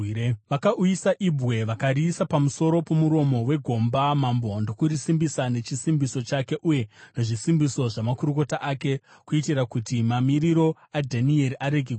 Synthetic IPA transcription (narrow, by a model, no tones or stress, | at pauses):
ʋakaʔujisaʔibʱwe̞ʋakaɾisapamuso̞ɾo̞po̞muɾo̞mo̞we̞ɡʱo̞mbamambondo̞kuɾisimbisane̞t͡ʃisimbiso̞t͡ʃake̞ʔuje̞neʐisimbiso̞ʐamakuɾuko̞taʔake̞ | kuitirakutimamiɾiɾo̞ | adʱanie̞ɾiʔaɾe̞ɡʱe